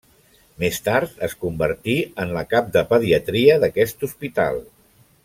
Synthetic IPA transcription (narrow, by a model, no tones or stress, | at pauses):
mest̪aɾt̪əskumbəɾt̪iənləkap̚d̪əpəðiət̪ɾiəðəkɛst̪uspit̪a̰lˠ